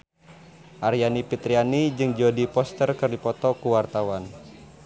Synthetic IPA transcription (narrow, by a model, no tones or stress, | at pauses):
ʔarjanipit̪ɾianid͡ʒɨŋd͡ʒɔdipɔst̪ərkərdipɔt̪ɔkuwart̪awan